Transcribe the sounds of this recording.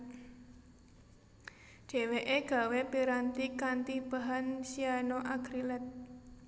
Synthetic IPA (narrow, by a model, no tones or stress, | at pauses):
d͡ʒ̥e̤weʔeɡ̥a̤wepiɾant̪ikant̪ib̥a̤ɦansianoʔaɡ̥ɾilɛt̪̚